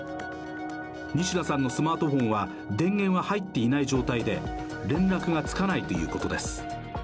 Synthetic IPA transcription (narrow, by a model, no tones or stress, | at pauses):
ɲ̟iɕiɾasãnːo̞sɨmaːt̪o̞ɸõ̞ɰ̃βa | d̪ẽ̞ŋɡẽ̞ɰ̃βahait̪ːe̞inaiʑo̞ːt̪aid̪e̞ | ɾẽ̞nɾakɯ̟ɡat͡sɨ̥kanait̪o̞jɯ̟̰ːko̞t̪o̞d̪e̞sɨ̥